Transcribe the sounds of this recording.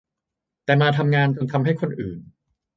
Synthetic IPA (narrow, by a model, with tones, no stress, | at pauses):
t̪ɛː˨˩maː˧t̪ʰa˧mŋaː˧nt͡ɕo˧nt̪ʰa˧mɦa˥˩jkʰo˧nʔɯː˨˩n